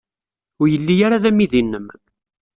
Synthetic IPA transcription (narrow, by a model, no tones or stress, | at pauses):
ʊɾjəlːijaɾaðæmːiðinːəm